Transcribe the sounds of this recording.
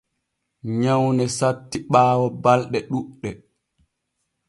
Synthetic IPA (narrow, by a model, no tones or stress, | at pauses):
ɲawnɛsatːiɓaːwɔbalɗɛɗuɗːɛ